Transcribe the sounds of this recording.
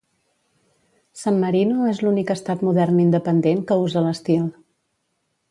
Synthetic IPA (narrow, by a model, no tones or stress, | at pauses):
samːəɾinuezlunikəst̪at̪muðɛrnind̪əpənd̪eŋkəuzələst̪ilˠ